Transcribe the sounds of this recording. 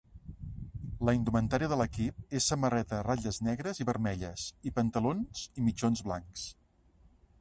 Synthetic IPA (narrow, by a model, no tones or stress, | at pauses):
ləind̪umənt̪aɾiəðələkip̚esːəmərɛt̪əraʎəznɛɣɾəziβəɾmɛʎə̰sipənt̪əlonz̥imit͡ʃonzβla̰ŋks